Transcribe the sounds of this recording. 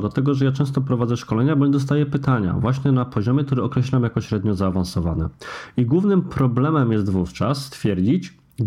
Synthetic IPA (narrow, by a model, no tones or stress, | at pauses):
d̪lat̪ɛɡɔʐɛjat͡ʂɛ̃st̪ɔpɾɔvad̪zɛʂkɔlɛɲabɔɲɛd̪ɔs̬t̪ajɛpɘt̪aɲa̰vwaɕɲɛnapɔʑɔmjɛk̚t̪uɾɛɔkɾɛɕlamjakɔɕɾɛd̪ɲɔzaːvãnsɔvanɛ̰iɡwuvnɘmpɾɔblɛmɛmjɛs̬t̪vuft͡ʂasːt̪fʲjɛɾd͡ʑit͡ɕ | ɡ